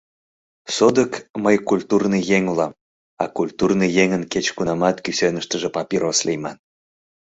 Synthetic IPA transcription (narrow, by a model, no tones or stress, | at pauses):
sod̪əkməjkulʲt̪urnɨjeŋulɑm | ɑ̰kulʲt̪urnɨjeŋənket͡ɕkunɑmɑt̪kysønəʃt̪əʒĕpɑpʲiɾoslijmɑn